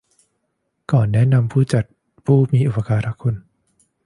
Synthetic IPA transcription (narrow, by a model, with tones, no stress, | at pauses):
kɔː˨˩nːɛ˦˥na˧mpʰuː˥˩t͡ɕa˨˩t̪̚ | pʰuː˥˩miː˧ʔu˨˩pa˧kaː˧ɾa˦˥kʰo˧n